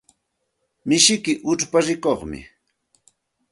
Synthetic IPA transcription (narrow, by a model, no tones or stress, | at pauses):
mɪʃɪkɪʔʊʈ͡ʂpaɾɪkoχmɪ̰